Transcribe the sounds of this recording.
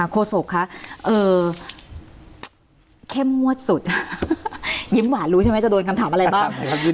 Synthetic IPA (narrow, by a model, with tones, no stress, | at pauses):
kʰoː˧so˨˩kʰːa˦˥ʔʔɤː˧ | kʰe˥˩mːu˥˩ət̪̚su˨˩t̪̚ | ji˦˥mwaː˨˩t̪̚ɾu˦t͡ɕʰa˥m˦˥t͡ɕa˨˩do˧nka˧mt̪aː˩˦mʔa˧ɾa˧baː˥˩ŋa˦˥u˧